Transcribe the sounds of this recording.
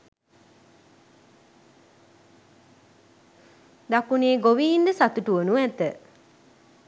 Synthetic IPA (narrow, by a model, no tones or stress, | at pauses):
d̪akuneːɡoʋiind̪əsat̪uʈuʋənuʋɛt̪ə